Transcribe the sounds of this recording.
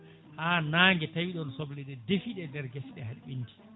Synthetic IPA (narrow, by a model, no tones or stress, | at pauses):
haːnaːŋɡɛtawiɗɔnsɔblɛɗɛdefiɗɛdɛɾɡɛsɗɛhalɓinti̥